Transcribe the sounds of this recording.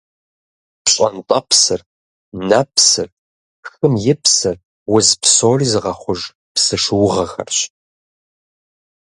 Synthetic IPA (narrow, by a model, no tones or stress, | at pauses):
pɕʼɐ̰ntʼɐpʰsɨr | nɐpʰsɨr | xɨmjɪpʰsɨr | wʊzpsoːrizɨʁɐχʷʊʒ | psɨʂɨwʊʁɐxɐ̰rɕ